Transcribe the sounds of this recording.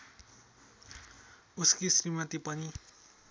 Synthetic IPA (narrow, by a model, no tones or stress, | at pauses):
uskisrimat̪ipʌni